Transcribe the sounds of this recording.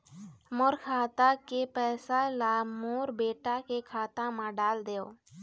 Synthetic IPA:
moːɾkʰaːt̪aːkepɛːsaːlaːmoːɾbeːʈaːkekʰaːt̪ãmãːɖaːld̪eːo̰ː

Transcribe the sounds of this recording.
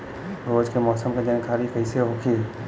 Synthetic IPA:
ɾoːd͡ʒkemɔːsəmked͡ʒɐnkʰaːɾikəɪseɦokʰiː

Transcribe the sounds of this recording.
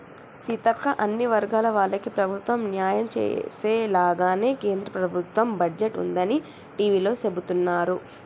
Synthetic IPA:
sit̪ɐkːɐʔɐnːiʋɐɾɡaːlɐʋaːɭːɐkipɾɐbʱut̪ʋɐmnjaːjɐmt͡ʃḛːseːlaːɡaːne̞ːke̞ːnd̪ɾɐpɾɐbʱut̪ʋɐmbɐɖd͡ʒeʈṵnd̪ɐni | ʈiːʋiːlo̞ːse̞but̪unːaːɾu

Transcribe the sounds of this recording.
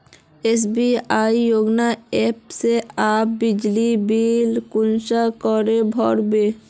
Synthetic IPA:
es̬biajjoɡnaepseabid͡ʑlibilkunʃakɔɾebʱɔɾbe

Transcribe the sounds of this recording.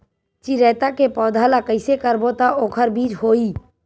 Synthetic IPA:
t͡ʃiɾət̪akepɔːd̪ʱalakəɪsekəɾbot̪aʔokʰəɾbid͡ʒɦoi

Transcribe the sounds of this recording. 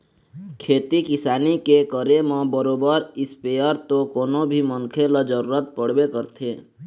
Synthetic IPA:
kʰet̪ikisanikekəɾemə̃bəɾobəɾɪspejəɾt̪okonobʱimənkʰeləd͡ʒəɾuɾət̪̚pəɽbekəɾt̪ʰe

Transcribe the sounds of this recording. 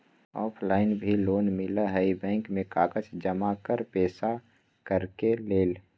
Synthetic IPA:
ɔ̰ːpʰlaːɪnbʱiloːnmɪlaɦəibɛ̃ːŋkmẽkaːkət͡ʃd͡ʒəmakəɾpɛːsa | kəɾkeleːl

